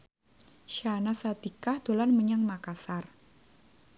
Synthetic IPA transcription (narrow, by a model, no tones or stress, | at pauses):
ʃanasat̪ikahd̪̥o̤lanməɲaŋmakasar